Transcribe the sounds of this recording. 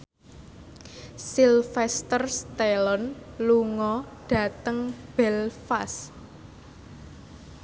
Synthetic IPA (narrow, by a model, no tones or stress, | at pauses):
silfɛst̪ərst̪elɔnluŋɔɖ̥ä̤t̪əŋb̥ɛlfas